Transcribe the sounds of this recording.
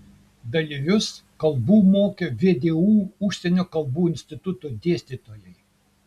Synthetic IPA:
d̪ɐlʲiʋʲʊskɐlˠbuːmoːkʲeʋʲeːd̪ʲeːuːʊʃʲsʲɛnʲoːkɐlˠbuːɪnʲsʲt̪ʲɪt̪ʊt̪od̪ʲeɛsʲt̪ʲit̪oːjɛɪ

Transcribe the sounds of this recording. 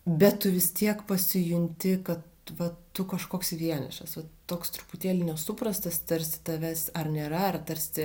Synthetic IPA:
bʲɛttʊʋʲɪst̪ʲiɛkpɐsʲɪjʊnʲt̪ʲɪkɐt̪ | ʋɐt̪ʊkɐʃkoːksɪʋʲiɛnʲɛ̰ʃɐsʋɐt̪oːkst̪ɾʊpʊtʲeːlʲɪnʲɛsʊprɐst̪ɐst̪ɐɾʲsʲɪ̥t̪ɐʋʲæsɐrnʲeːɾɐɐrt̪ɐɾʲsʲɪ

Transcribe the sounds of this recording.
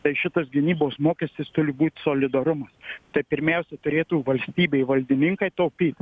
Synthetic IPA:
t̪ɐɪʃʲɪt̪ɐsɡʲɪnʲiːboːsmoːkʲɛsʲt̪ʲɪst̪ʊɾʲɪbuːt̪ʲsoːlʲɪd̪ɐɾʊmɐst̪ɐɪpʲɪɾʲmʲɛʊsʲɛt̪ʊɾʲeːt̪uːʋɐlʲsʲt̪ʲiːbʲeɪʋɐlʲd̪ʲɪnʲɪŋkɐɪt̪ɐʊpʲiːt̪

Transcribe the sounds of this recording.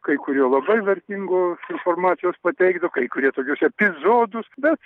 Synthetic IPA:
kɐɪkʊɾʲuːlˠɐbɐɪʋʲɐɾʲt̪ʲiŋɡoːsɪnfoːrmɑːt̪sʲɪjoːspɐt̪ʲɛɪɡd̪ɐʋokɐɪkʊɾʲiɛt̪oːkʲʊsɛpʲɪzoːd̪ʊsbʲɛt̪

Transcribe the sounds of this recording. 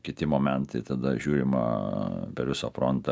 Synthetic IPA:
kʲɪt̪ʲɪmoːmʲɛnt̪ɐɪt̪ɐd̪ɐʒʲuːɾʲɪmɐ̰pʲɛɾʋʲɪsɐfɾont̪ɐ

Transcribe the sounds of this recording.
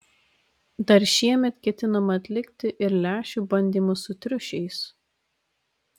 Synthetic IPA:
d̪ɐɾʃʲiɛmʲɛt̪kʲɛt̪ʲɪnɐmɐːt̪ʲlʲɪkʲt̪ʲɪʔɪɾlʲæːʃʲuːbɐnʲd̪ʲiːmʊsʊt̪ʲɾʲʊʃʲɛɪs

